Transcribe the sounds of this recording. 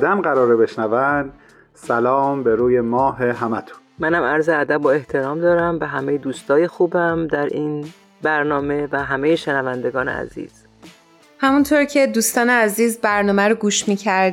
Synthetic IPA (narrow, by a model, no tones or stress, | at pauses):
d̪æmɢæɾɒːɾebe̞ʃnævænd̪ | sælɒːmbeɾuːje̞mɒːɦeɦæmæt̪ʰu̥nmænhæmæɾzeæd̪æboe̞ht̪ʰe̞ɾɒːmd̪ɒːɾæmvæɦæmejed̪uːst̪ʰɒːjexuːbæmd̪æɾʔiːn | bæɾnɒːme̞væɦæmejeʃenævænd̪e̞ɡɒːnḛæ̰zḭːz̥ | hæmunt̪ʰoːɾcʰe̞d̪uːst̪ɒːneæziːzbæɾnɒːmæɾoɡuːʃmiːcʰæɾd̪